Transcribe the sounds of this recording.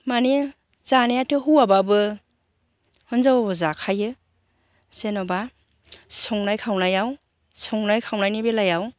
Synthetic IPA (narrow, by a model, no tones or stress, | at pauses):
mane | zanejatʰɯɦuwababɯ | hɯnzawbɔzakʰajɯ | senɔba | sɔŋnajkʰawnajaw | sɔŋnajkʰawnajnibelajaw